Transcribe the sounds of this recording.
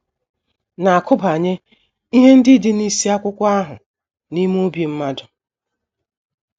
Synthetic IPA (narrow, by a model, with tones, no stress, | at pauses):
na˨a˨kʰʊ˦ba˨ɲe˦ | i˦ɦe˦n̩˦dɪ˦dɪ˦ni˦si˦a˦kʷʊ˦kʷʊ˦a˦ɦʊ˨ | ni˦m˦o˦bji˨m̩˦ma˦dʊ˨